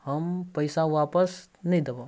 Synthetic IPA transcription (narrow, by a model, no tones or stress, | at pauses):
hɐmpɐɪsãʋaːpəsnɐɦĩd̪ɐba